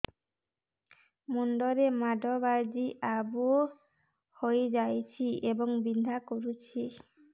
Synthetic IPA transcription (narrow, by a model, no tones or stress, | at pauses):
munɖɔɾemaɖʱɔbaɾd͡ʒiʔabu | hojd͡ʒajt͡ʃʰiʔebɔŋbind̪ʱakoɾut͡ʃʰi